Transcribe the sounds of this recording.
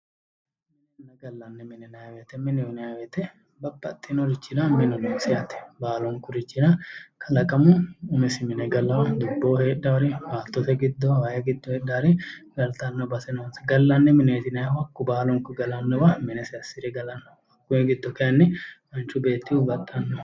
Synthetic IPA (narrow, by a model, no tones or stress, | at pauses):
nːɐɡɐlːɐnːɛmɪnɛnɐjwɛt̪ɛmɪnɛmnɐjɐwɛt̪ɛ | bɐbːɐ̰t̪ʼːinɔɾɪt͡ʃːɪdamɪnɔdunsɛɐt̪ɛ̥baːlɔŋkʊɾɪt͡ʃːɪdɐkʰɐlɐkʼɐmʊʊmɛsɪmɪnɛɡɐlːɐwɐd̪ʊbːoːheːᶑːaɾɛwaːt̪ːɔt̪ɛɡɪd̪ːɔwajɛɡɪd̪ːɔheːɗaɾɛɡɐlt̪ɐnːɔbɐsɛnɐnsɪɡɐlːɐnːɛmɪneːt̪ɪnɐjwɐkːʊbaːlɔŋkʊɡɐlɐnːɔbɐmɪnɛsɛɐsɪɾɛɡɐlɐnːɔ̥ | ɐkːʊɛɡɪd̪ːɔkɛjɐnːɪmɐnt͡ʃʊbe̞ːt̪ːɪʊbɐt̪ʼːɐnːɔ